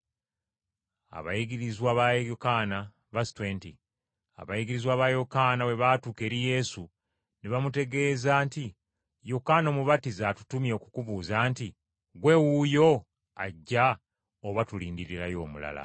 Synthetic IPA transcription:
a̰βa̰jiɡiɾizwaːβajokaːna | βasi̥tweːnti | a̰βajiɡiɾizwaːβajokaːnawe̞βaːtuːke̞ːɾije̞ːsu | neβamute̞ɡe̞ːzaːnti | jokaːno̞ːmuβatizatu̥tumjokukuβuːzaːnti | ɡwe̞wujo̞ | aɟːa | oβatuliːndiɾiɾajo̞ːmula̰la̰

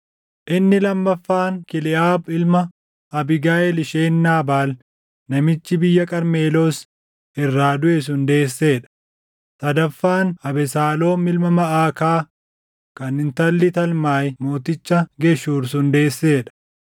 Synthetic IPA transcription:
ʔɪnːɪlɐmːɐfːaːŋkɪlɪʔaːbɪlmɐ | ɐbɪɡaːɛlɪʃe̞ːnːaːbaːl | nɐmɪt͡ʃːɪbɪjːɐkʼɐɾme̞ːlo̞ːs | ɪrːaːd̪ʊʔɛs̬ʊnd̪e̞ːsːe̞ːᶑɐ̥ | sɐd̪ɐfːaːnɐbɛsaːlo̞ːmɪlmɐmɐʔaːkaː | kɐnɪnt̪ɐlːɪt̪ɐlmaːjmo̞ːt̪ɪt͡ʃːɐɡɛʃuːɾsʊnd̪e̞ːsːe̞ːᶑɐ̥

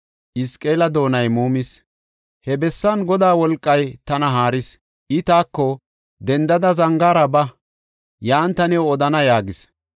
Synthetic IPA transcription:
ʔɪskʼe̞ːlɐd̪o̞ːnɐjmuːmɪs | hɛbɛsːɐnɡɔd̪aːwɔlkʼːɐjt̪ɐnɐɦaːɾɪs | ʔɪt̪aːkːɔ | d̪ɛnd̪ɐd̪ɐzɐŋɡaːɾɐbɐ | jaːnt̪ɐnɛwɔd̪ɐnɐjaːɡɪs

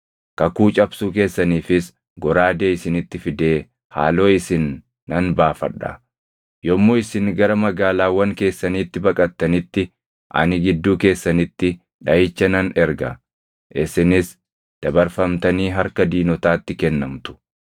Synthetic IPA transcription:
kɐkuːt͡ʃʼɐbsuːk̬e̞ːsːɐniːfɪs | ɡɔɾaːd̪e̞ːɪsɪnɪt̪ːɪfɪd̪e̞ː | ha̰ːlo̞ːɪsɪnː | ɐnbaːfɐ̰ᶑɐ̰ | jɔmːoːɪsɪnɡɐɾɐmɐɡaːlaːwːɐŋke̞ːsːɐniːt̪ːɪbɐkʼɐt̪ːɐnɪt̪ːɪ | ʔɐ̰nɪɡɪd̪ːuːke̞ːsːɐnɪt̪ːɪ | ᶑɐjɪt͡ʃːɐnɐnɛɾɡɐ̰ | ʔɪsɪnɪs | d̪̥ɐbɐɾfɐmt̪ɐniːɦɐɾkɐd̪iːnɔt̪aːt̪ːɪkɛnːɐmt̪ʊ̥

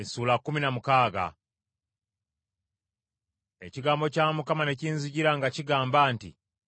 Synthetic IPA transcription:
esuːlakːuminamukaːɡa̰ | e̞ciɡaːmbo̞caːmukamane̞ciːnziɟiɾaŋɡaciɡaːmbaːntḭ

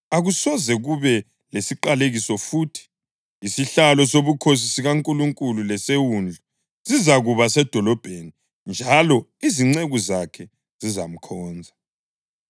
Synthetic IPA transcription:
aɣusɔzɛɣuβɛ | lesiǃaleɣisɔfuːtʰi̥ | isiɬalɔsoβukʰos̬isiɣaŋkʼuluŋkʼululɛsewund͡ɮʱu | z̥izaɣuβasɛd̥ʱɔlɔb̥ʱeni | nd͡ʒʱalɔiziŋ͡ǀeɣuzakʰɛ | z̥izam̩kʰɔːnd͡zʱa

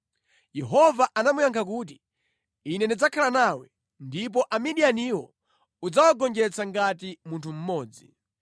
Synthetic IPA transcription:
jɛɦɔvaʔanamujaŋkʰakuːt̬i | inɛnid͡zakʰalanawɛ | ndip̬ɔʔamiɗianiwɔ | ud͡zawaɡɔnd͡ʒɛt͡sʰaŋɡatimuntʰum̩mɔːd͡zi

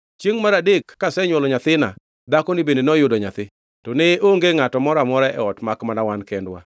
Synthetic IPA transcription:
t͡ʃjeŋmaɾadekːasɛɲwɔlɔɲat̪ɪna̰ | d̪akɔnɪbendenɔjʊdɔɲat̪ɪ | tɔneoŋɡeŋatɔmɔɾamɔɾaʔɛ̰ɔtmakmanawankɛndwa̰

